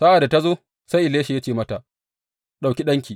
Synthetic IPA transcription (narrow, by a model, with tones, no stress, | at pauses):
sa˦ʔa˨da˨ta˦zoː˦ | sa˦jʔɪ˨leː˦ʃi˨ja˦t͡ʃeː˨mɐ˦ta˨ʔ | ɗa˨wkʲi˦ɗɐ˦ŋkʲiː˨